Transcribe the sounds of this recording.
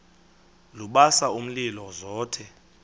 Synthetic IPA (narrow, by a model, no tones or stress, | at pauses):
luɓasaum̩lilɔzɔːtʰɛ